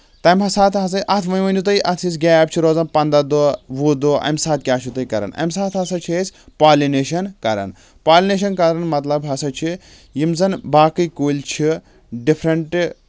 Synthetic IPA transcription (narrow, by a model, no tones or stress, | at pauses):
t̪ɐmɐsaːt̪ʰɦɐsɐʔɐt̪ʰʋɐjʋɐnd͡ʒut̪ɐiʔɐt̪ʰjis̬ɡʲaːɐːb̚t͡ʃʰiɾoːzɐnpɐnd̪ɐd̪oːʋuːd̪oːʔɐ̰msaːt̪̚kʲaːt͡ʃʰut̪ɐikɐɾɐ̰nɐ̰msaːt̪ɦɐsɐt͡ʃʰesʲpaːlineːʃɐnkɐɾɐ̰n | paːlʲineʃ̬ɐnkɐɾɐnmɐt̪lɐbɦɐsɐt͡ʃʰi | jimzɐnbaːkɨjkuːlʲt͡ʃʰi | ɖipʰɾɐɳʈ